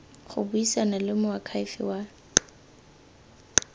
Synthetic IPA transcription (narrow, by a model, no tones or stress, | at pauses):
χʊ̰buisanalɪmʊakʰaifɪ̰wa